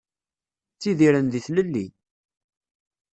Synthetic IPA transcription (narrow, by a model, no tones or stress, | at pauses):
t͡sːiðiɾənðiθləlːḭ